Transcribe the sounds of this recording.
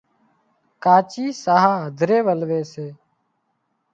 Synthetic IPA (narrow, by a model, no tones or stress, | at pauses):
kaːt͡ʃiːsaːɦaːɦəd̪ʱɾeːʋəlʋeːseː